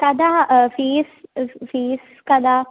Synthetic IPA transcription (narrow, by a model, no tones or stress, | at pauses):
kɐd̪afiːsfiːs | kɐd̪a